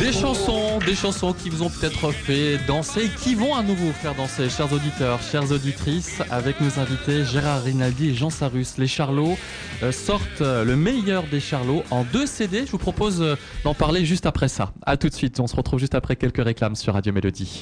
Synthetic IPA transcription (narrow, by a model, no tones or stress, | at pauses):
d̪̥eʃɑ̃sɔ̃d̪eʃɑ̃sɔ̃kʲivuzɔ̃pø̥t̪ɛt̪χəfɛd̪ɑ̃seːkʲivɔ̃anuvofɛʁd̪ɑ̃seʃɛʁzod̪it̪œːʁʃɛʁzod̪it̪χisa̰vɛknozɛ̃vit̪eʒeʁaʁːinald̪ieʒɑ̃saʁysleʃaʁlo | sɔʁt̪ləmejœʁd̪eʃaʁloʔɑ̃d̪øsed̪eʒəvupχɔpoz | d̪ɑ̃paʁleʒyst̪apχɛsa̰a̰t̪ut̪sɥit̪ɔ̃səʁət̪χuvʒyst̪apχɛkʲɛlkəʁeklamsyʁːad̪jomelod̪i